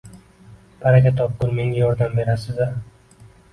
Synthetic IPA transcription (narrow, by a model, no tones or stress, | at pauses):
pʰaɾakʲat̪ʰɒp̚kʊnme̞ŋɡʲajɒɾd̪ambe̞ɾasɪzd̪a